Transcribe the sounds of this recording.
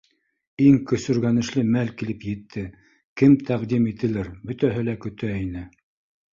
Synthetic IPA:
iŋkɵ̆sɵ̆ɾɡænɘ̆ʃlɘmælkilɘpjɘ̆t̪ʰːɘ | kɘmt̪ʰæʁd̪imit̪ɘ̆lɘɾbɵ̆t̪æɦɘlækɵ̆t̪æinɘ

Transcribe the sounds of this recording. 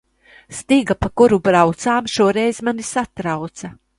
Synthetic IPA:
st̪iɡapakuɾubɾawt̪saːmʃuɔɾɛjzmanisat̪ɾawt̪sa

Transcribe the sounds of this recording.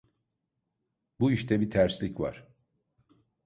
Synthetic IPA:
buiʃt̪ʰɛbit̪ʰæɾslʲicva̰ɾ̥

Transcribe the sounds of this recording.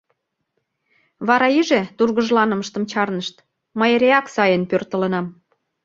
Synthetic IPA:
βɑɾɑiʒet̪urɣəʒlɑnə̆mə̆ʃt̪əmt͡ɕɑrnəʃt̪ | məjeɾeɑksɑjənpørt̪ə̆lə̆nɑm

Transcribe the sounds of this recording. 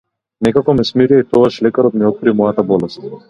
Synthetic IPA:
nɛkakɔmɛsmiɾiait̪ɔɡaʃlɛkaɾɔt̪̚mɛɔt̪̚kɾimɔjat̪abɔlɛst̪̚

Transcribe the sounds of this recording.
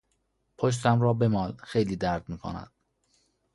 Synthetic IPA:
pʰoʃ̬t̪ʰæmɾɒːbemɒːlxejliːd̪æɾd̪̥̚miːkʰo̰næ̰nd̪̥

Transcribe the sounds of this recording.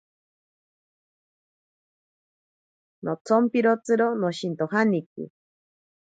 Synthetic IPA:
not͡sʰompiɾot͡sɨɾonoʃint̪oɦanikḭ

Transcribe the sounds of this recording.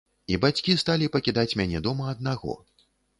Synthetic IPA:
ibat͡sʲkʲist̪alʲipɐkʲid̪at͡sʲmʲanʲɛd̪ɔmɐɐd̪̚naɣɔ̰

